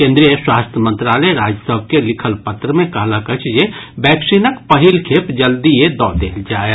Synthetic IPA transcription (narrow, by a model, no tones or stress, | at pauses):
kẽːnd̪ɾijəswaːst̪ʰjəmə̃nt̪ɾaːləjɾad͡ʒjəsəb̚ʱkelɪkʰəlpət̪ɾəmẽkəɦləkət͡ʃʰd͡ʒebɛːksinəkpəɦilkʰepd͡ʒəld̪ied̪ɔːd̪eːld͡ʒaːe